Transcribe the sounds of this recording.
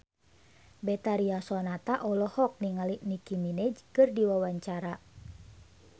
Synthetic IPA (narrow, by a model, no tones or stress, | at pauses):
bɛt̪aɾiasɔnat̪aʔɔlɔhɔk̚niŋaliʔnikiminɛd͡ʒkɨrdiwawaɲt͡ʃaɾa